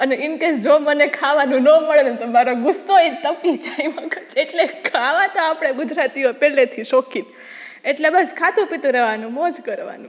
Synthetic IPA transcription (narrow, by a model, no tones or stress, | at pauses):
əneimkesd͡ʒomənekʰaʋanũnəməɭenũt̪omaɾoɡʊsːoet̪əpid͡ʒaimãkəɾt͡ʃeʈlekʰaʋat̪oapɽ̃eɡud͡ʒɾat̪iopɛlet̪ʰiʃɔkin | eʈlebəskʰat̪ũpit̪ũɾɛʋanũmod͡ʒkəɾʋa̰nũ